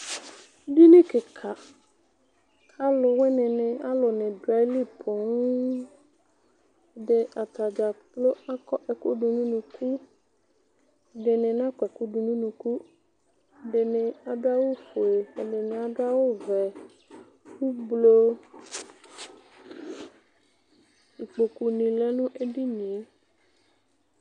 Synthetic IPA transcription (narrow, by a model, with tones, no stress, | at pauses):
di˦nɪ̃˦kɪ˨kʰa˨ | a˦lʊ˨wɪ˦nɪ̃˨nɪ̃˨a˦lʊ˨nɪ̃˨dwa˨˦li˦pʰʊ˨n˦˨ | dɪ˨a˨t̪a˨d͡ʒa˨plo˦a˦kɔ˦ʔɛ˨ko˦du˨nũ˦nũ˨kʰu˦˨ | dɪ˨nɪ̃˨n˦ã˦kɛ˨ku˦du˨nũ˦nũ˨ku˦˨ | ɖe˨nẽ˨a˨do˦a˦wo˦fo˨e˨ɛ˨ɖe˨nẽ˨a˨do˦a˦wo˦vɛ˨ | ku˦blo˦ | i˨k͡po˨ku˨nĩ˨lɛ˦nũ˦ʔe˦ɖi˦nĩ˨e˦